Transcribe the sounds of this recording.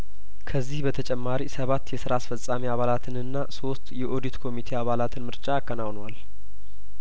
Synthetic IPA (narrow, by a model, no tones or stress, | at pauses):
kʰəzːihbət̪ʰət͡ʃʼɛmːaɾisəβat̪ːjɛsɨɾaːsfəsʼamiaβalat̪ʰɨnɨnːaso̞st̪jɛʔod̪it̪kʰo̞mit̪ʰe̞aβalat̪ʰɨnmɨɾt͡ʃʼaːkːənawnwal